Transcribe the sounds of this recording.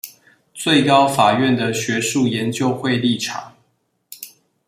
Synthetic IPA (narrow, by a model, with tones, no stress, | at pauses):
t͡swe˥˨ɪkɑ˦ʊfa˨˩ɥɛ˥˨nd̪ə˨ɕɥɛ˧˦ʂu˥˨jɛ˨˦nt͡ɕjo˥˧ʊxwe˥˧ɪli˥˨ʈ͡ʂʰɑ̰˨˩˦ŋ